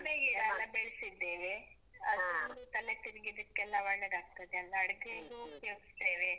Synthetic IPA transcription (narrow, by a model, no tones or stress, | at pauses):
meɡiɐlːɐbeɭsid̪ːeːʋe | ɐd̪nd̪ut̪ɐlet̪iɾɡid̪ɐkːɛlːɐʋɐɭːeɾaːɡ̚t̪ɐd̪eɐlːɐɽɡeɡuːkeʋsd̪eːʋe